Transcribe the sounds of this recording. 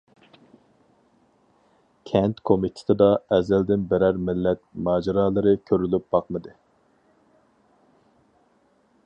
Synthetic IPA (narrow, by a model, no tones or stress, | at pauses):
kʲʰɛnt̪kʰomit̪ʰɪ̥t̪ʰɪd̪ɑɛzɛld̪ɪnbɪɾæɾmɪlːɛt̪̚mɑːd͡ʒiɾɑːlˠɨɾɨkʲʰøɾylyp̚b̥ɑqmɨd̪ɨ